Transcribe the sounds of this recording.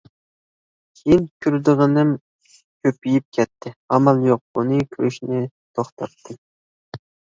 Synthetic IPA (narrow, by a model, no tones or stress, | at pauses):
kʲʰejinkʲʰyɾd̪ɨʁənɨm | kʲʰøpijip̚kʲʰɛt̪ʰːɪɑmɑlˠjoq̚bunɨkʲʰyɾyʃnɪ | t̪ʰoχt̪ʰɑp̚t̪ʰɨ